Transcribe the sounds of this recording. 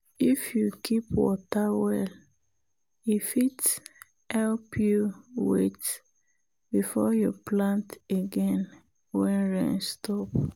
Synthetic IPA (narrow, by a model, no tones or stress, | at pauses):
ifjukʰipwɔ̰tawɛl | ifit | hɛlpjuwḛt | b̥ifɔjuplãnteɡɛ̃n | wɛ̃nɹɛ̰̃nstʰɔp